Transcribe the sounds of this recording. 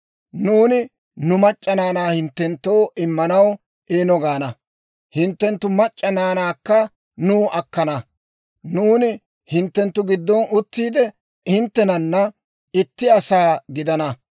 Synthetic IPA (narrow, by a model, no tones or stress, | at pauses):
nuːnɪ | nʊmɐt͡ʃʼːɐnaːnaːhɪnt̪ːɛnt̪ːo̞ːʔɪmːɐnɐw | ʔeːnɔɡaːnɐ | hɪnt̪ːɛnt̪ːʊmɐt͡ʃʼːɐnaːnaːkːɐ | nuːʔɐkːɐnɐ | nuːnɪ | hɪnt̪ːɛnt̪ːʊɡɪd̪ːɔnʔʊt̪ːiːd̪ɛ | hɪnt̪ːɛnɐnːɐ | ɪt̪ːɪɐsaːɡɪd̪ɐnɐ